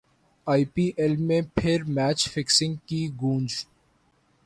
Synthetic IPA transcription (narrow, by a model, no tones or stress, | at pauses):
aːipiːʔelmẽpʰɪɾmɛːt͡ʃfɪksɪ̃ŋɡkiɡũːnd͡ʒ